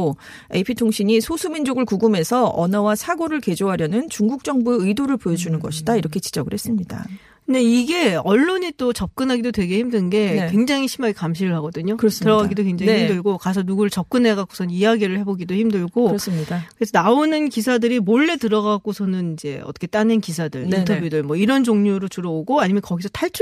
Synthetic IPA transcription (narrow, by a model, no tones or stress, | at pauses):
o | epʰitʰoŋɕʰiɲisʰosʰumind͡ʑoɡɯɭkuɡume̞sʰʌʌ̰nʌwasʰaɡoɾɯɭke̞d͡ʑoɦaɾjʌnɯnt͡ɕuŋɡuk̚t͡ɕ͈ʌŋbueɯidoɾɯɭpojʌd͡ʑunɯnɡʌ̰ɕʰidaiɾʌkʰe̞t͡ɕi̥d͡ʑʌɡɯɭhes͈ɯmɲida̰kɯnde̞iɡe̞ʌɭːoɲit͈ot͡ɕʌp̚k͈ɯnɦaɡidotwe̞ɡe̞çimdɯnɡe̞kwe̞ŋd͡ʑaŋiɕʰimaɡikamɕʰiɾɯɭɦaɡʌdɯɲokɯɾʌstɯɾʌɡaɡɡidokwe̞ŋd͡ʑaŋiihimdɯɭɡokasʰʌnuɡuɾɯɭt͡ɕʌp̚k͈ɯne̞ɡak͈o̥sʰʌnɯniaɡiɾɯɭhe̞boɡidoçimdɯɭɡoɾʌs͈mɲidakɯɾes̬ʰʌnaonɯnkisʰadɯɾimoɭːe̞tɯɾʌɡak͈osʰʌnɯnid͡ʑe̞ʌ̰t͈ʌkʰe̞t͈anenkisʰadɯɭintʰʌbjudɯɭmʌiɾʌnt͡ɕoŋɲoɾot͡ɕuɾʌoɡoaɲimjʌnkʌɡisʰʌtʰaɭt͡ɕʰ